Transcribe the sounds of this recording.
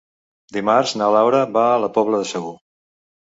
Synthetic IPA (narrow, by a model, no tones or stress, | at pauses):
d̪imarznalawɾəβaːləpɔβləðəsəɣu